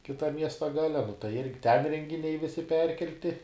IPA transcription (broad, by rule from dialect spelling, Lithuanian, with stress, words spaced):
kʲɪˈtɐm ˈmʲiɛstɐ ˈɡɑːlʲɛ nʊ tɐɪ ˈɪrʲɡʲɪ tʲɛn rʲɛŋʲɡʲɪˈnʲɛɪ ˈʋʲɪsʲɪ ˈpʲɛrʲkʲɛlʲtʲɪ